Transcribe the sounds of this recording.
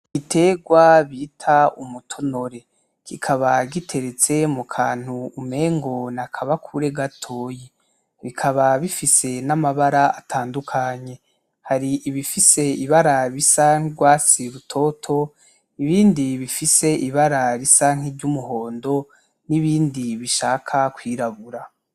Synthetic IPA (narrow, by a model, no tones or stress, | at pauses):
ite̞ːɡwaβitʰaumutʰono̞ɾe̞ | kʰikʰaβaɡitʰe̞ɾet͡se̞mukʰaːn̥huːme̞ːŋɡo̞nakʰaβakʰuɾe̞ɡatʰo̞ːji | βikʰaβaβifise̞namaβaɾaatʰaːndukʰaɲe̞ | haɾiʔiβifise̞iβaɾaβisaŋ̥iɡwaːt͡siɾutʰo̞ːtʰo̞ | iβiːndiβifise̞ʔiβaɾaɾisaŋ̥iɾɟumuɦo̞ːndo̞ | niβiːndiβiʃaːkʰakwiːɾaβuɾa